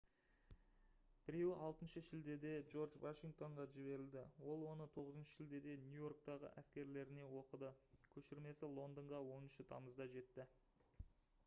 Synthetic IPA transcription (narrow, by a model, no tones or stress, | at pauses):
b̥ɪɾe̞wɪʔɑlˠt̪ənʃəʒɪld̪e̞d̪e̞ʒo̞ɾʒvaʃiŋɡ̚t̪o̞ɴʁɑʒɪβe̞ɾɪld̪ɪwo̞lˠwo̞nət̪ʰo̞ʁəzənʃə̥ʒɪld̪e̞d̪e̞njujo̞ɾk̚t̪ɑʁə̰ʔæskʲe̞ɾle̞ɾɪne̞wo̞qəd̪əkʲʰɵʃɪɾme̞sɪlˠo̞nd̪əɴʁɑwo̞nənʃət̪ʰɑ̰məzd̪ɑʒe̞t̪ːɪ